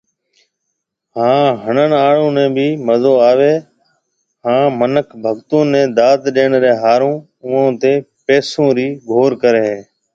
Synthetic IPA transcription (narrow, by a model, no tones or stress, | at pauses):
hãːɦəɳənaːɽõːnẽːbʱiːməzoːaːʋeː | ɦãːmənəkʰbʱəɡt̪ũːnːẽːd̪aːt̪ɗeːɳɾeːɦaːɾõː | ʊːõːt̪eː | peːsõːɾiːɡʱoːɾkəɾeːɦeː